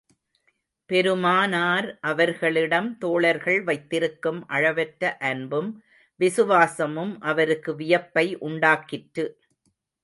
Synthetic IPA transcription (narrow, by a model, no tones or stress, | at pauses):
pɛɾɯmaːnaːɾʔɐʋɐɾɣɐɭɪɽɐmt̪oːɭɐɾɣɐɭʋɐɪt̪ːɪɾɯkːɯmʔɐɻɐʋɐʈɾɐʔɐnbɯm | ʋɪsɯʋaːsɐmɯmʔɐʋɐɾɯkːɯʋɪjɐpːɐɪʔʊɳɖaːkɪʈɾɯ